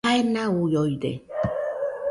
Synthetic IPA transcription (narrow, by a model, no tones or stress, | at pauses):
aenaujoiɾe